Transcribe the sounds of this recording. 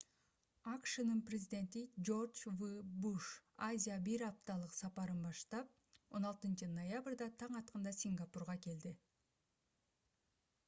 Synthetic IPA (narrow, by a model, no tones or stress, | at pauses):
ɑkʃɯnɯnprʲɪzʲɪdʲe̞nt̪id͡ʒo̞rd͡ʒvɨbuʃazʲijabiɾɑp̚t̪ɑlˠɯqsɑpɑɾɯnbɑʃt̪ɑp̚ | o̞nɑlˠt̪ɯnt͡ʃɯnojabrd̪ɑt̪ʰɑɴɑt̪̚qɯnd̪ɑsʲiŋɡapurʁɑke̞ld̪i